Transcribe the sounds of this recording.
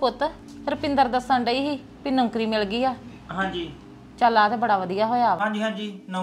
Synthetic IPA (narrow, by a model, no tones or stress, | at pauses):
pʊt̪ | ɾəpɪ̃nd̪əɾd̪əsəɳɖəiːɦiː | pɪnõŋkɾiːmɪlɡiːaː | ɦãːɲd͡ʒiː | t͡ʃaːlaːt̪ɛːbəɽaːʋəd̪ijaːɦoːjaːãːd͡ʒiːɦãːd͡ʒiːn